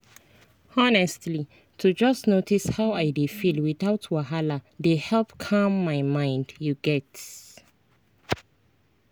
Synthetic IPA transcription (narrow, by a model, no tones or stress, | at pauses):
ɔnɛstli | tʰud͡ʒʌstnotishaʊaɪdefilwiθaʊtʰwaɦaladehɛlpkʰãmːaɪmãɪ̃ndjuɡɛt